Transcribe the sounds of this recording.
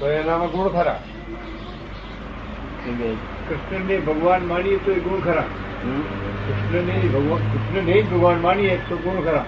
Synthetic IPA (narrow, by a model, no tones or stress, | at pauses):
t̪oenamãɡʊɽ̃kʰəɾã̰ | ene | kɾɪʃnənebʱəɡʋaːnmaːnijet̪oeɡʊɽ̃kʰɐɾãː | kɾɪʃnənebʱɐɡakɾɪʃnənebʱəɡʋaːnmañijet̪oɡuɽ̃kʰəɾãː